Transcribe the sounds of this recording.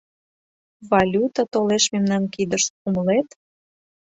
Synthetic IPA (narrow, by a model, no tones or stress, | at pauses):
vɑlʲut̪at̪oleʃmemnɑnkid̪əʃuməlet̪